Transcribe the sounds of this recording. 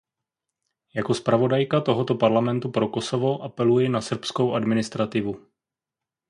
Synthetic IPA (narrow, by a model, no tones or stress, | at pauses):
jako̞spɾavo̞dajkat̪o̞ɦo̞t̪opaɾlamɛnt̪upɾo̞ko̞so̞vo̞ʔapɛlujɪnasr̩psko̞wʔadmɪnɪst̪ɾat̪ɪvu